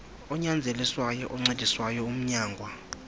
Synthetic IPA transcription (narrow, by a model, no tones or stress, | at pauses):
ɔɲand͡zʱeliswajɔʔɔŋ͡ǀed̥ʱiswajɔum̩ɲaːŋɡʱwa